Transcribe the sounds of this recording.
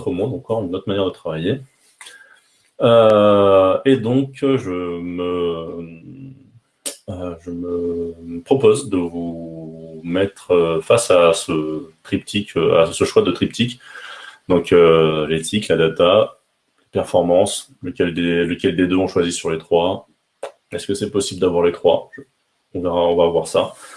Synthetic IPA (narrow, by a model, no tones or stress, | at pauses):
t̪χəmɔ̃d̪ɑ̃kɔʁynːoɔt̪χmanjɛʁd̪ət̪χavaje | ø | ed̪ɔ̃kʒəmə | əʒəməpχɔpozd̪əvu | mɛt̪χøfasasət̪χip̚t̪ʰikøa̰səʃwad̪ət̪χip̚t̪ikʲ | d̪ɔ̃kølet̪ʰiklad̪at̪a | lepɛʁfɔʁmɑ̃s | ləkʲɛld̪eːəkʲɛld̪ed̪øɔ̃ʃwazisyʁlet̪χwa | ɛskəsɛpɔsibləd̪avwaʁlet̪χwaʒə | ɔ̃vɛʁaɔ̃vavwaʁsa